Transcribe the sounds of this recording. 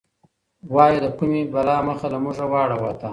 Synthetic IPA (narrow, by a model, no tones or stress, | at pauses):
wɑjid̪akumebalɑməxalamuʐawɑɽawat̪a